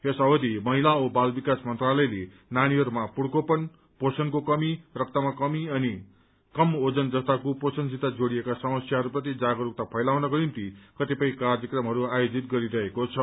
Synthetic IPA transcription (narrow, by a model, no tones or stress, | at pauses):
esʌwʌd̪imʌɦilaobalbikasmʌnt̪ralʌjle | naɽ̃iɦʌɾumapuɽkopʌn | posʌnkokʌmirʌk̚t̪amakʌmiʌni | kʌmod͡zʌnd͡zʌst̪akoposʌnsʰit̪ad͡zoɽijekasʌmʌsjaɦʌɾuprʌt̪̬id͡zaɡʌɾuk̚t̪apʰʌjlawnʌɡʌint̪ikʌt̪ipʌj̃kardjʌkrʌmɦʌɾuajod͡zit̪̚ɡʌɾiɾʌɦekot͡sʰʌ